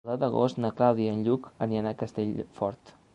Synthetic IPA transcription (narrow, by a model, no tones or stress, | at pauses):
əd̪əɣo̰st̪nəklawðiənʎukəniənakəst̪eʎfɔɾt̪